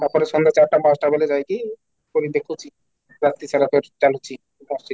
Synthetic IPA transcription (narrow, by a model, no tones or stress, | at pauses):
t̪aɾpɔɾeʃɔnd̪at͡ɕaɾʈamasʈabeled͡ʑajki | koɾid̪ekʰut͡ɕʰi | ɾat̪ːit͡ɕʰaɾat̪oɾt͡ɕalut͡ɕʰi | masʈi